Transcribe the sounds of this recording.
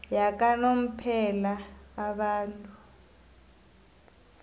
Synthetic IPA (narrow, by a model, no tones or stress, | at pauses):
jak̬ʼanom̩pʰɛlaːɓaːntʼu